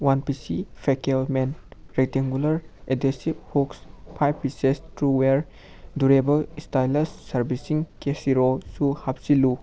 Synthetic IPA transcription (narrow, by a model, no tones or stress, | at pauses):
wanpisipʰekelmenɾek̚tiŋɡulɐɾedesiphukspʰajbpisestɾuweɾ | duɾebɐlistajlɐsːɐɾbisiŋkesiɾosuhap̚silu